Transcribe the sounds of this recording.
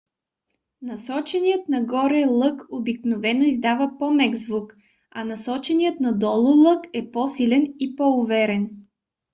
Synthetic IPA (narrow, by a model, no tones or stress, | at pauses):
nɐsɔt͡ʃɛnijət̪nɐɡɔɾɛlˠɤkobiknovɛnoizd̪avəpɔmɛɡzvuk | ɐ̰nɐsɔt͡ʃɛnijət̪nɐd̪ɔlˠolˠɤkɛpɔsilɛnipɔʊvɛɾɛn